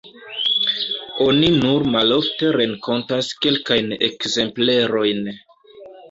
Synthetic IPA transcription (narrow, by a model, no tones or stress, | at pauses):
o̞ninuɾmalo̞fte̞ɾe̞ŋkʰo̞ntaske̞lkajnḛkze̞mple̞ɾo̞jn